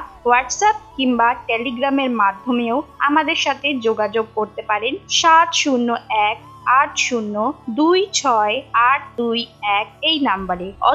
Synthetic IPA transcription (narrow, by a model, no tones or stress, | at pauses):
waʈsap̚kiŋbaʈeliɡɾameɾmad̪ʱːomeoa̰mad̪eɾʃat̪ʰed͡ʑoɡad͡ʑoɡ̚koɾt̪epaɾenʃat̪ʃunːoɛk̚ | aʈʰʃunːod̪ujt͡ɕʰɔeaʈ̚ʰd̪ujɛk̚ejnambaɾeɔ̰